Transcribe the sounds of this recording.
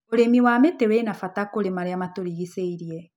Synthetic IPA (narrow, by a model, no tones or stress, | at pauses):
oɾemiwametewenafatakoɾemaɾeamatoɾiɣiseiɾiɛ